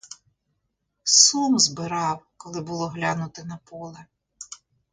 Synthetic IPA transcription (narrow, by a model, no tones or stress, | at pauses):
sumzbɪɾɑwkɔlˠɪbʊlˠɔɦlʲɑnʊt̪ɪnɐpɔlˠɛ